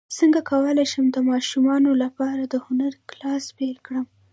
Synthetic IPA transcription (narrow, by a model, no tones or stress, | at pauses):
səŋɡakʰawəlajʃəmd̪əmɑʃumɑnolapɑɾad̪əhʊnaɾklɑspelkɽəm